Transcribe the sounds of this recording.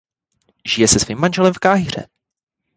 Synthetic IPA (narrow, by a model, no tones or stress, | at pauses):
ʒ̥ɪjɛsɛsv̥iːmːanʒɛlɛmfkaːɦir̝ɛ̰